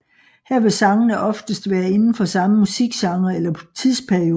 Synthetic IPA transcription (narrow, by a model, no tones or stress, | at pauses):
hæɐ̰ʋe̝sɑ̈ŋɐnəʔɒ̽fd̥əsd̥ʋæːɐe̝nn̩fɒ̽sɑ̈məmusiɡ̥sɑ̈ŋɐelɐt͡sʰið̰ˠspʰæɐio̝ː